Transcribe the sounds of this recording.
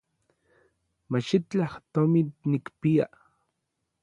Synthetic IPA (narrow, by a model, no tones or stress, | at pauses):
maʃit͡ɬaht̪omit̪nikpija